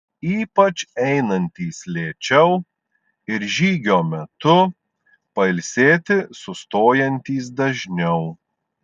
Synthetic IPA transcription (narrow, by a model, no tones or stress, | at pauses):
iːpɐt͡ʃɛɪnɐnʲt̪ʲiːslʲeːt͡ʃʲɛʊ | ɪɾʒʲiːɡʲoːmʲɛt̪ʊ | pɐɪlʲsʲeːt̪ʲɪsʊst̪oːjɛnʲt̪ʲiːs̬d̪ɐʒʲnʲɛʊ